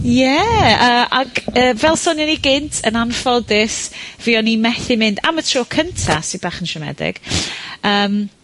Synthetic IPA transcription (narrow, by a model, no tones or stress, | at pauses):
jɛəːaɡəːvɛlˠsɔnjɔniɡɪntʰənanfɔdɪsv̥iɔnimɛθɪmɪnda̰mətʰroːkʰəntʰa̰sibaːχənʃɛmɛ̰dɪ̰ɡ̥əːm